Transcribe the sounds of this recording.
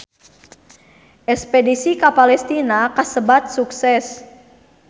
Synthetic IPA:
ʔɛspɛdisikapalɛst̪inakasəbat̪̚suksɛs

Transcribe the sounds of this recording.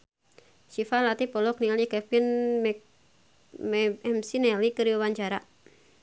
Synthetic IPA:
sifalat̪ipɔlɔk̚nialikɛpin | mɛɛmsinɛalikəɾiuwaɲt͡ʃaɾa

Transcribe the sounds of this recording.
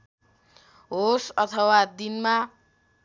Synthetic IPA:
ɦosʌt̪ʰʌwad̪inma

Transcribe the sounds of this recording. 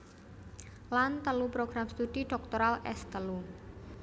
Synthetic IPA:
lant̪əlupɾoɡ̥ɾamst̪uɖ̥iɖ̥ɔk̚t̪oɾalʔɛst̪əlu

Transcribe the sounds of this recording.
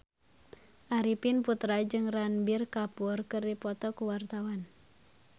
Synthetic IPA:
ʔaɾipinput̪ɾad͡ʒɨŋranbirkapurkɨrdipɔt̪ɔkuwart̪awan

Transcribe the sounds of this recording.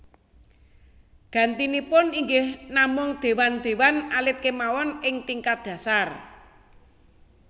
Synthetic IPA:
ɡ̥a̤nt̪inipʊniŋɡɪhnamʊŋd̪̥e̤wand̪̥e̤wanalɪt̪̚kemawɔnɪŋt̪iŋkat̪̚d̪̥ä̤sar

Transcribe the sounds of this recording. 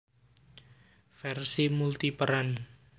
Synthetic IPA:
fɛrsimult̪ipəɾan

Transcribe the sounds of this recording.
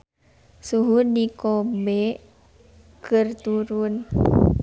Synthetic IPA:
suɦudikɔbɛ | kɨrt̪uɾun

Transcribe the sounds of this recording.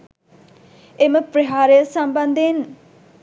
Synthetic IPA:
eməpɾeɦaːɾejəsɐmbɐnd̪en

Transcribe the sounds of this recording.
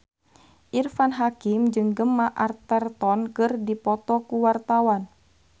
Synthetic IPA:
ʔirfanɦakimd͡ʒɨŋɡəmːaʔart̪ərt̪ɔnkɨrdipɔt̪ɔkuwart̪awan

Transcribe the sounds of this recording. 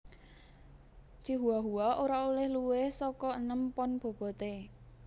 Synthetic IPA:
t͡ʃiɦuaɦuaʔoɾaolɪhluwɪhsɔkɔənəmpɔnb̥o̤b̥ɔ̤t̪e

